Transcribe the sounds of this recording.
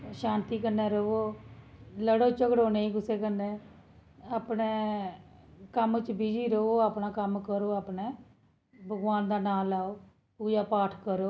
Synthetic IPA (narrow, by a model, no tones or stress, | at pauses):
ʃaːnt̪iːkənːẽːɾəoː | ləɽoːt͡ʃəkɽoːneːiːkʊseːkənːeː | aːpneː | kəmt͡ʃbid͡ʒiːɾəoːaːpnaːkəmkəɾoːaːpneː | bʱəɡwaːnd̪aːnaːlaːoː | puːd͡ʒaːpaːʈʰkəɾoː